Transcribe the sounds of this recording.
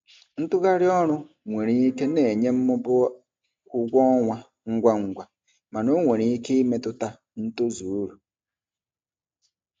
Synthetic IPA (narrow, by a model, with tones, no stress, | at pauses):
n̩˦tʊ˦ɣa˦ɾɪ˦ɔ˦ɾʊ˦ | ŋʷe˨ɾi˦i˦ke˦ne˨ɲe˦m̩˦mʊ˦bʊ˦ | kʷu˦ɡʷɔ˦ŋʷa˦ | ŋ̩˦ɡʷa˦ŋ̩˨ɡʷa˨ | ma˨no˦ŋʷe˨ɾi˨i˦ke˦i˦me˨tʊ˦ta˦ | n̩˦tu˦zu˨˦ɾu˨